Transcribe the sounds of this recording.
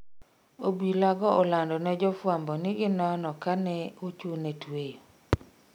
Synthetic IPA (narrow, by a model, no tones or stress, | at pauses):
obilaɡɔɔlandɔnɛd͡ʒɔfwambɔnɪɡɪnɔnɔkanɛut͡ʃunɛtwejo